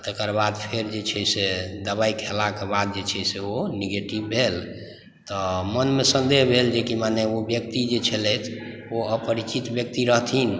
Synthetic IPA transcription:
t̪ekəɾbad̪pʰeɾd͡ʒet͡ʃʰɛsed̪əbaikʰelakebad̪̚d͡ʒet͡ʃʰɛseoneɡeʈibbʱel | t̪ɔmənmesə̃nd̪eɦbʱeld͡ʒekimaneobjək̚t̪id͡ʒet͡ʃʰelɛt̪ʰoəpəɾit͡ʃit̪bjək̚t̪iɾəɦt̪ʰin

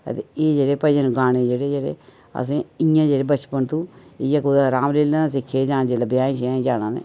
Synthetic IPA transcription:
ə̰t̪eeːd͡ʒeːɽeːpəd͡ʒənːɡaːñeːd͡ʒeːɽeːd͡ʒeːɽḛː | ə̰sẽːɪjãːd͡ʒeːɽeːbət͡ʃpənt̪ũːɪjəkod̪aɾaːmleːlãːs̬ɪkʰːeːd͡ʒãːd͡ʒeləbjaːĩːʃd͡ʒaːnãːnḛː

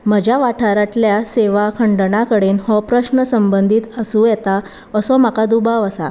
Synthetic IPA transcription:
məd͡ʑaʋaʈʰaɾaʈljaseʋakʰəɳɖəɳakəɽenhɔpɾəɕnəsəmbənd̪ʱiːt̪əsũjɛt̪a | əsɔmakad̪ubaʋəsa̰

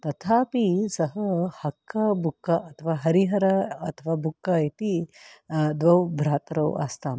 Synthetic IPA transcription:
t̪ɐt̪ʰaːpisɐɦɐhɐkʰːɐbʱukːɐʔɐt̪ʰɐʋaːɦɐɾiɦɐɾɐːt̪ʰɐʋaːbʱukːait̪i | d̪ʋɐwbʱɾaːt̪ɾɐwa̰ːst̪aːm

